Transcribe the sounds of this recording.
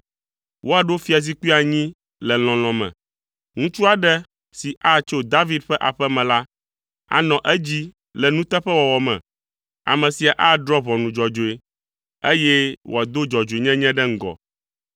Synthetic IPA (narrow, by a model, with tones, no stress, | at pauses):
wʔo˦a˨ɖo˦fi˦a˨z̬i˦ku˦i˦a˨ɲĩ˦ | lɛ˨l̃ɔ̃˨l̃ɔ̃˨mɛ̰̃˨ | ŋũ˦t͡ʃu˦a˨ɖɛ˦ | si˨ʔa˦t͡ʃo˦d̪a˦vi˦dɸɛ˦ʔa˨ɸɛ˦mɛ̃˨la˦ | a̰˨nɔ̃˨ʔɛ˦d͡ʑi˦ | lɛ˨nũ˦t̪ɛ˦ɸɛ˦wɔ˨wɔ˨mɛ̰̃˨ | a̰˨mɛ̃˨si˨a˨ʔa˦ɖ̪ɾɔ˦βɔ̃˨nũ˨d͡ʒɔ˨d͡ʒo˨e˨ | e˦jɛ˦wʔo̰˨a˨d̪o˦d͡ʒɔ˨d͡ʒo˨e˨ɲɛ̃˦ɲɛ̃˦ɖɛ˦ŋ̩˦˨ɡɔ̰˨